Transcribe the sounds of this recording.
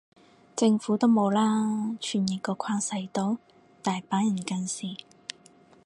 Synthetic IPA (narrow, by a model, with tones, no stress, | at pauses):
t͡sɪ˧ŋfuː˨˥t̪o˥wmo˨˧wlaː˥t͡ʃʰyː˨˩nji˨˩kɔː˧kʰaː˧˥ŋsɐ˧jt̪o˨˥w | t̪aː˨jpaː˨˥njɐ˨˩nkɐ˧nsiː˨˩